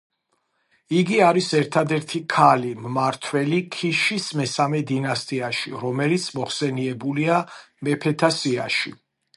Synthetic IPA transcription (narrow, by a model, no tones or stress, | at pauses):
iɡiaɾisɛɾt̪ʰad̪ɛɾt̪ʰikʰalimmaɾt̪ʰwɛlikʰiʃismɛsamɛd̪inast̪ʼiaʃiɾɔmɛlit̪sʰmɔχsɛniɛbulia | mɛpʰɛt̪ʰasia̰ʃi